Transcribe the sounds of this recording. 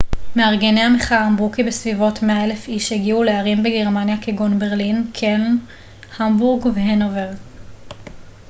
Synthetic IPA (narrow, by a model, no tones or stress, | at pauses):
meaʁɡeneameχaambukibesvivo̞tmeae̞lefiʃheɡiule̞aʁimbeɡe̞ʁmanjakeɡonbeʁlinkʰen | hambuʁɡveɦenoveʁ